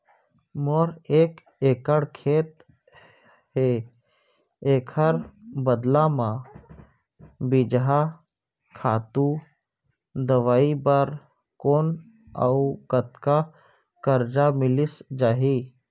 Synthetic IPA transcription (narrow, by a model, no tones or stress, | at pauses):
moɾeːk | eːkəɽkʰeːt̪̚ | he | eːkʰəɾbəd̪lamã | bɪd͡ʒɦa | kʰaːt̪u | d̪əʋaːibəɾ | koːn | a̰ukət̪ka | kəɾd͡ʒamɪlɪsd͡ʒaːɦiː